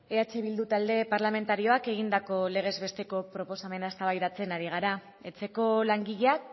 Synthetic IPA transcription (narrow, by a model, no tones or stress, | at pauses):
e̞at͡ʃe̞β̞ild̪ut̪ald̪e̞paɾlame̞nt̪aɾio̞ake̞ɣ̞ind̪ako̞le̞ɣ̞e̞zβe̞st̪e̞ko̞pɾo̞po̞same̞naest̪aβajðat͡se̞naɾiɣ̞aɾa | e̞t͡se̞ko̞laŋɡiʎeak̚